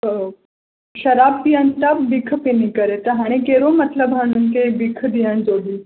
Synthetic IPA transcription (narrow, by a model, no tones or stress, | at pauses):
ɕəɾab̚pijənt̪abbikʰpinikəɾet̪əɦaɽ̃iɡeɾomət̪ləbɦəɽ̃uːnkebikʰd̪ijãnd͡zoɽiː